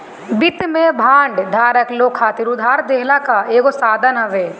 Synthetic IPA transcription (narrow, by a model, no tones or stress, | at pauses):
bɪt̪mẽbʱãːɳɖd̪ʱaːɾəkloːkʰːaːt̪iɾʊd̪ʱaːɾd̪eɦlakaeːɡosaːd̪ʱənɦɐʋeː